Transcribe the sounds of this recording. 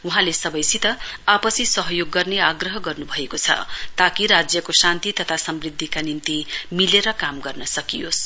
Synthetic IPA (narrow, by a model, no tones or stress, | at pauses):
uɦãlesʌbʌjsit̪ʌapʌsisʌɦʌjoɡːʌrneaɡrʌɦʌɡʌrnubʱʌekot͡sʰʌ̰t̪akiɾad͡zjʌkosant̪it̪ʌt̪ʰasʌmrid̪ʱːikanimt̪imileɾʌkamɡʌrnʌsʌkijos